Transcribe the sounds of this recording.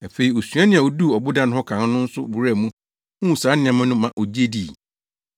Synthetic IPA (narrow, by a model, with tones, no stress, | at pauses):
æ˨fe˨i˨o˨sɥa˦nɪ̃˦˨a˨o˨du˦˨ɔ˨bʊ˦dã˦ñ˦hɔ˦kʰã˨n˦nʊ̃˦n̩˦sʊ˦bu˨ɾæ˦˨mũ˦ | hũ˦˨saː˨˦nɪ̃˨ã˨mã˦nʊ̃˦mã˨ʔo˨d͡ʑi˦e˦di˨